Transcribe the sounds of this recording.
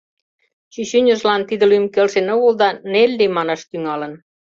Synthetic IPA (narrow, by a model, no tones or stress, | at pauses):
ɕyɕynʲə̆ʒlɑnt̪id̪ə̆lymkelʃenoɣold̪ɑnelʲːemɑnɑʃt̪yŋɑlə̆n